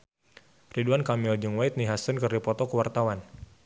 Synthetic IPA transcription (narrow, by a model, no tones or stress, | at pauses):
riduankamɪld͡ʒuŋwajt̪̚niɦasənkɨrdipɔt̪ɔkəwart̪awan